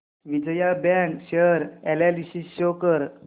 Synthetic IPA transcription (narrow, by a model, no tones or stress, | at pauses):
ʋid͡ʑəjabɛ̃ŋkɕeəɾɛlɛlisisɕokəɾ